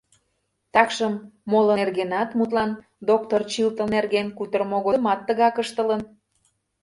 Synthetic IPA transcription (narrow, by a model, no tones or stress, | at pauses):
t̪ɑkʃəmːolərɣenɑt̪mut̪lɑn | d̪ok̚t̪ort͡ɕilt̪ənerɣenkut̪ərmoɣomɑt̪ːəɣɑkəʃt̪ə̆lən